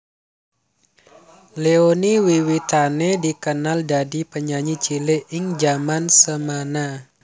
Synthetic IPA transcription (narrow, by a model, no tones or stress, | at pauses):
leoniwiwit̪anedikənaldadipəɲaɲit͡ʃilɪʔɪŋd͡ʒamansəmana